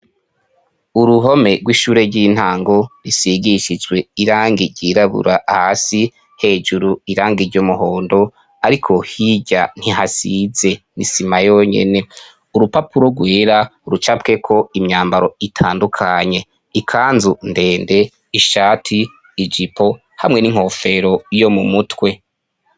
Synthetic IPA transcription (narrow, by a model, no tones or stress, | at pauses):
uɾuɦo̞me̞ɡwiːʃuːɾe̞ɾɟin̥haːŋɡo̞ɾisiɡiʃid͡ʒwe̞iɾaːŋɡiɾɟ̥iɾaβṵɾahasi | he̞ːd͡ʒuɾuiɾaːŋɡiɾɟomuɦo̞ːndo̞ | aɾikʰo̞hiɟan̥hiɦasize̞nḭsimajoɲe̞̰ne̞ | uɾupapuɾo̞ɡweːɾauɾut͡ʃapke̞kʰo̞imɲaːmbaɾo̞itʰaːndukʰaɲe̞ | ikʰaːnzunde̞ːnde̞ | iʃaːtʰiː | d͡ʒipʰo̞ | hamŋe̞niŋ̥ho̞ːfe̞ɾo̞jo̞mumutwe̞